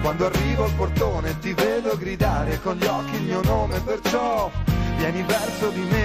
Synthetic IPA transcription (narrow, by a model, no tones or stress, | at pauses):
kwand̪oarːiːvoalport̪oːnet̪iveːd̪oɡɾid̪aːɾekonʎiɔkːiːlmiːonoːmepert͡ʃɔvjɛːnivɛrsod̪ime